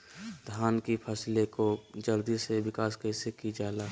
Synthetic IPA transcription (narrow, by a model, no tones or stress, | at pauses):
d̪ʱaːnkipʰəslekod͡ʒəld̪isebɪkaːskəɪsekid͡ʒaːlaː